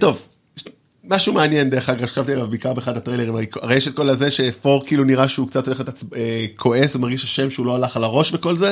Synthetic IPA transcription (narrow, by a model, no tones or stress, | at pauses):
t̪o̞v | maʃumeanjend̪eeχaɡaʁʃakavt̪ielavbeikaʁbeχadat̪ʁele̞ʁimaekaʁejɛʃet̪̚ko̞lazeʃe̞fo̞ʁkiiːluniʁaʃeukt͡sat̪ole̞χet̪at͡sekʰo̞e̞svumaʁɡiʃaʃe̞mʃeulo̞alaχalaʁo̞ʃveko̞lze